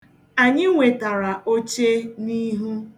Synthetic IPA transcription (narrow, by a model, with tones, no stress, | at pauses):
a˨ɲɪ˦ŋʷe˨ta˨ɾa˨o˦t͡ʃe˦ni˦ɦu˦